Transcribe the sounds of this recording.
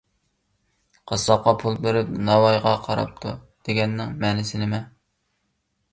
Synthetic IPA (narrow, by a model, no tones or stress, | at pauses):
qʰɑslˠɑq̚qɑpʰulˠbeɾɪp̚nɑwɑjʁɑqʰɑɾɑ̰p̚t̪ʰu | d̪̥eɡʲɛnːɪŋmɛːnɪsɪnɪmɛ